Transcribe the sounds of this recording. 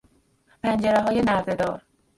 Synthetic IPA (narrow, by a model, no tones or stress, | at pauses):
pʰænd͡ʒeɾeɦɒːje̞næɾze̞d̪ɒ̰ːɾ